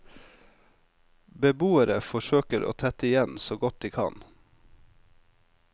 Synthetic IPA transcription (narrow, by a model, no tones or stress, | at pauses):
bəbuːəɾəfɔʃøːkəɾʔo̰ːt̪ʰɛt̪əɪjɛnsoːɡɔt̪̚d̪iːkʰɑ̰n